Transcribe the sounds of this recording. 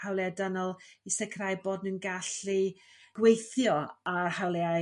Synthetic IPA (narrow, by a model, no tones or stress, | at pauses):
hawlˠɛadanɔlˠisɛkʰrajboːdnənɡaɬi | ɡ̥wejθjɔahawlˠɛa